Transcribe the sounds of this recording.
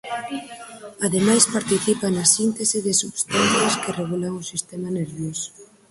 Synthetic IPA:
aðemajspaɾt̪iθipanɐsint̪esɪðɪsuβst̪anθjaskɪreɣulaŋʊsist̪ɛmɐneɾβjos

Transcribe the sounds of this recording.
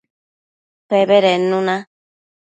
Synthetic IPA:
peβeɾenũnã

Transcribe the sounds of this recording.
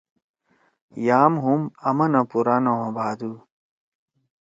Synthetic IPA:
jaːmɦumɐmɐnɐpuɾanɐwɐ̃baːd̪u

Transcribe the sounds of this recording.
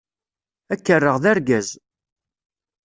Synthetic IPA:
ækːərˤːəʁðæɾɡæz

